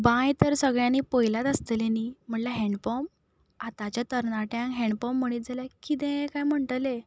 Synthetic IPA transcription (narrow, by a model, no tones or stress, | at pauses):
bãjt̪əɾsəɡɭjãniːpəjlat̪əst̪əlenim̤əɳlaɦɛɳɖpɔm | at̪at͡ɕjat̪əɾnaʈjãŋkɦɛ̃ɳɖpɔmːəɽ̃iːt̪̚d͡zʱalakit̪̬ẽkajm̤əɳʈəle